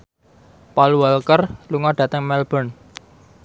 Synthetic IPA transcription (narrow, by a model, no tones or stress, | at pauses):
palualkərluŋɔɖ̥ä̤t̪əŋmɛlb̥ɔ̤n